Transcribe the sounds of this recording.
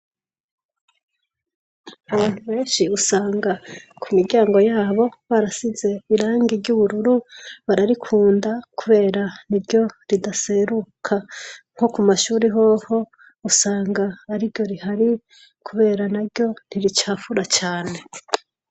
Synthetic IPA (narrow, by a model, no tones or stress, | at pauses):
uβaːn̥huβe̞ːnʃiusaːŋɡakʰumiɾɟaːŋɡo̞jaːβo̞βaɾasize̞iɾaːŋɡivɟuβuɾuɾuβaɾaɾikʰuːndakuβe̞ːɾaniɾɟo̞ɾidase̞ɾukʰaŋ̥ho̞kumaʃuːɾiɦo̞ho̞ | usaːŋɡaːɾiɾɟo̞ɾihaɾi | kʰuβe̞ːɾanaɾɟo̞n̥iɾit͡ʃaːfuɾat͡ʃaːne̞